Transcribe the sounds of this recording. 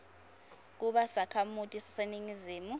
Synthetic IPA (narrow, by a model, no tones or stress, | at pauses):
k̬uɓasakʰamutʼisi̥seniŋiziːmu